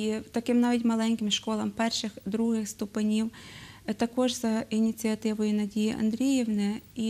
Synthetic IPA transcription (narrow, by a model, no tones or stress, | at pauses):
it̪ɐkɪmnaʋʲitʲmɐlˠɛnʲkɪmʃkɔlˠɐmpɛrʃɪxd̪ɾuɦɪxst̪ʊpɪnʲiwt̪ɐkɔʒzɐinʲit̪t͡s̪ʲɨɐt̪ɪʋʊjʊnɐdʲijiʔɐ̰nd̪ɾʲijɛwnɛi